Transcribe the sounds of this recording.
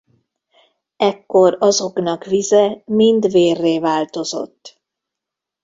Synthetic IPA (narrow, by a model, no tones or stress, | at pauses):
ɛkːo̞ɾɒzo̞knɒkvizɛmind̪veːrːeːvaːlt̪o̞zo̞̰t̪ː